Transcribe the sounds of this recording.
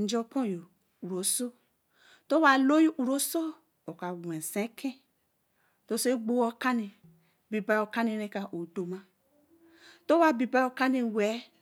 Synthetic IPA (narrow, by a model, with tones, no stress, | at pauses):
n̩˦d͡ʒo˦põ˦jo˨ | u˨ɾo˨so˦ | to˦wa˨lo˦jo˦ʔu˨ɾo˦so˦ | o˨ka˨we˨sẽ˨˦kʰẽ˦ | to˦se˦ɡ͡bo˦o˦ka˦ni˨ | bi˨ba˨˦˨o˨ka˦ni˨ne˦ka˨ʔo˨do˨ma˦ | to˦wa˦bi˨ba˦o˨ka˦ni˨wɛ˨˦